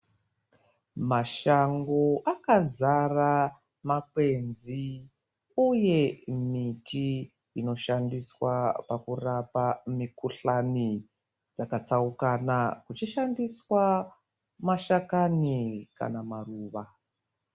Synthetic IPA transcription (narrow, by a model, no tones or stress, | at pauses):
maʃaŋɡo̞ʔakazara | makwe̞nzi | uje̞mitʰi | ino̞ʃandiswapakurapamikuɬani | d͡zakat͡saukanakut͡ʃiʃandiswa | maʃakanika̰namaruːʋa